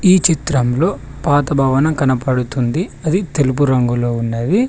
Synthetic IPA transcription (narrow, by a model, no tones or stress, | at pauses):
iːt͡ʃit̪ɾɐmlo̞ːpaːt̪ɐbʱɐːʋɐnɐmkɐnɐpɐɽut̪und̪iɐd̪it̪e̞lup̬uɾɐŋɡulo̞ːunːɐːji